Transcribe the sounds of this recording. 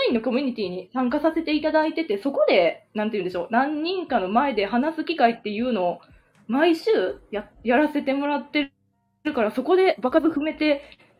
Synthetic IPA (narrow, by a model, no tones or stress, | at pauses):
ĩnːo̞ko̞mʲiɲ̟it̪ʲiːɲ̟isãŋkasase̞t̪e̞it̪ad̪ait̪e̞t̪e̞so̞ko̞d̪e̞nãnt̪eiɯ̟nd̪eɕo̞ːnãɲ̟ːĩŋkano̞mae̞d̪e̞ɦanasɨkʲikait̪ːe̞jɯ̟ːno̞ː | maiɕɨːjajaɾase̞t̪e̞mo̞ɾat̪ːe̞ | ɾɯ̟kaɾaso̞ko̞d̪e̞bakazɨɸɯ̟me̞t̪e̞